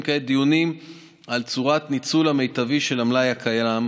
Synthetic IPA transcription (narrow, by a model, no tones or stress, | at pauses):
ked̪ijunim | alt͡suʁat̪nit͡sulame̞jt̪aviʃe̞lamlajakʰajam